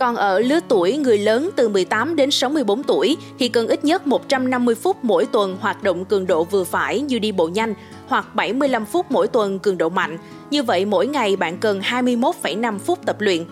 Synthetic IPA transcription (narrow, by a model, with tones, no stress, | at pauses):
kɔ˨˩nʔəː˧˩lɨ˨˦ət̪u˧˩əjŋɨ˨˩əjləː˨˦nt̪ɨ˨˩mɨ˨˩əjt̪aː˨˦mɗe˨˦nsa˨˦wmɨ˧əjɓo˨˦nt̪u˧˩əjt̪ʰi˨˩kə˨˩nʔi˦˥t̚ɲə˦˥t̚mo˨˩t̚t͡ɕa˧mna˧mːɨ˧əjfu˦˥t̚mo̰˧˥jt̪wə˨˩nhwaː˨˩t̚ɗo̰˧˨wŋ͡mkɨ˨˩əŋɗo̰˧˨vɨ˨˩əfaː˧˩jɲɨ˧ɗi˧ɓo̰˧˨ɲa˧jŋ̟ | hwa˨˩k̚ɓa˧˩jmɨ˧əjla˧mfu˦˥t̚mo̰˧˥˩jt̪wə˨˩nkɨ˨˩əŋɗo̰˧˨ma̰˧˨jŋ̟ | ɲɨ˧və̰˧˨jmo̰˧˥jŋa˨˩jɓa̰ː˧˨nkə˨˩nhaː˧jmɨ˧əjmo˦˥t̚fə˧˩jna˧mfu˦˥t̚t̪ə˨˩p̚lwḭ˧˨ənʔ